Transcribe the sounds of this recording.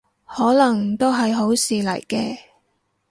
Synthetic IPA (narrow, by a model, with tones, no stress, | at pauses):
hɔː˨˥lɐ˨˩ŋt̪o˥wɦɐ˨jɦo˨˥wsiː˨lɐ̰˨˩jkɛː˧